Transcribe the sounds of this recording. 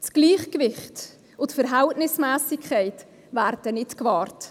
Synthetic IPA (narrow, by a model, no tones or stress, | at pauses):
t͡sɡ̥liːχkvɪχt | ʊtfəɾɦɛltnɪsmɛːsɪkʰχaɪt | væːɾd̥ənɪtkvɑːrt